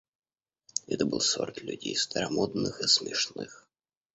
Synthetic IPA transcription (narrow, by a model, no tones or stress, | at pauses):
ɛt̪əbɨlˠso̰rt̪lʲʉ̰dʲejst̪əɾɐmod̪nɨxɨsmʲɪʂnɨx